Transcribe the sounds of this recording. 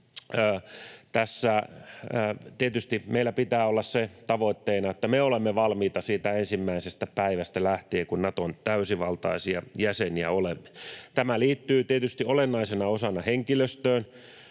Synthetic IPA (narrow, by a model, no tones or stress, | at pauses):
əːt̪æsːæː | t̪iet̪yst̪imeilːˑæpit̪æːolːɑsset̪ɑʋoit̪ːeːnɑet̪ːæmeolemːeʋɑlmiːt̪ɑsiːt̪æensimːæisest̪æpæiʋæst̪ælæht̪eːkunnɑt̪ont̪æysiʋɑlt̪ɑ̰isiɑjæseniæolemːe̥t̪æmæliːt̪ːyːt̪iet̪yst̪iolenːɑisenɑosɑnɑheŋkiløst̪øːn